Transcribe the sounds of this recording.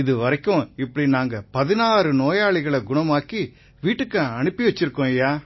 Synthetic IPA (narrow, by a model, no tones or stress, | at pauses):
ɪðɯʋɐɾɐkːõɪpːɐɽinaːŋɡɐpɐðɪnaːɾɯnoːjaːɭɪɣɐɭɐɡʊɳɐmaːki | ʋiːʈːɯkːɐ̃ɐɳɯpːiʋɐt͡ʃːɪɾɯkːõjaː